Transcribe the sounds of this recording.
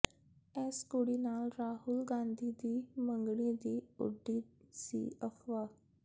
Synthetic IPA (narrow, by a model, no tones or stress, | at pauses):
ɛːskoɽiːnaːlɾaːɦʊlɡãːnd̪iːd̪iːmə̃ŋɡɽ̃id̪iːʊ̰ɖiːsḭːəxʋaː